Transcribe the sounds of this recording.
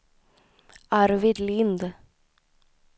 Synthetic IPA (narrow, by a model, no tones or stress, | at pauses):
ɑɾʋɪd̪liːnd̪